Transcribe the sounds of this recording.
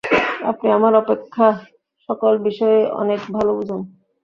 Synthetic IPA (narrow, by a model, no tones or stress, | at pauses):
apniamaɾɔpekʰːa | ʃɔkolbiʃɔeʔɔ̰nekbʱalobud͡ʑʱon